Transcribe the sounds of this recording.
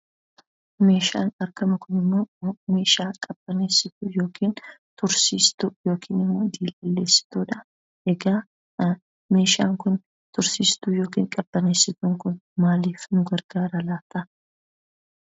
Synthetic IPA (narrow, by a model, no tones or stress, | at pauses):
me̞ːʃa̰ːnɐɾkɐmɐkʊnɪmːo̞ːme̞ːʃaːkʼɐb̥ːɐneːsːɪt̪ʊjo̞ːkʰiːnt̪ʊɾsiːst̪ʊjo̞ːkʰiːnɪmːoːd̪iːlɐlːe̞ːsːɪ̥t̪uːᶑɐ | ɛɡaː | me̞ːʃaːŋkʊn | t̪ʊɾsiːst̪ujo̞ːkḭːŋkʼɐbːɐneːsɪt̪ʊŋkʊnmaːliːfnʊɡɐɾɡ̥aːɾɐlaːt̪ɐ